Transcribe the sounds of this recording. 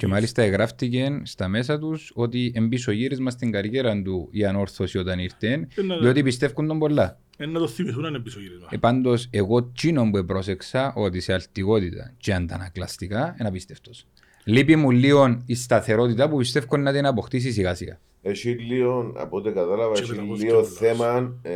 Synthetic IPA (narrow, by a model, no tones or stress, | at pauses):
cemalist̪ɐeɣɾaft̪ice̞nst̪ɐme̞sɐt̪uso̞t̪ie̞mbiso̞ʝiɾizmɐst̪iŋɡɐɾʝeɾɐnd̪ujɐno̞ɾθo̞sio̞t̪ɐniɾt̪e̞nio̞t̪ipist̪e̞fkund̪o̞mbo̞lːɐ | enːɐt̪oθːimiθunɐnembisoʝiɾizmɐepand̪o̞se̞ɣo̞t͡ʃino̞mbuepɾo̞se̞ksɐʔo̞t̪isealt̪iɣo̞t̪it̪ɐ̰t͡ʃeand̪ɐ̰nɐklɐst̪ikaenɐpist̪e̞ft̪o̞s | lipimulːio̞nist̪ɐθe̞ɾo̞t̪̬it̪ɐpupist̪e̞fkonːɐt̪inɐpo̞xt̪is̬is̬iɣasiɐ̰ | eʃilːionɐ̰pot̪ekɐt̪alɐvɐilːioθemɐn